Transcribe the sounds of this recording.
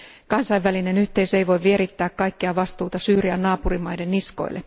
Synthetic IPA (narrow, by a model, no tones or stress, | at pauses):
kɑnsɑjʋʋæline̞nyht̪e̞isejʋo̞jʋie̞ɾit̪ːæːkkɑjkːiɑʋɑst̪uːt̪ɑsyːɾiænnɑːpuɾimɑjde̞nːisko̞̰j̰lːḛ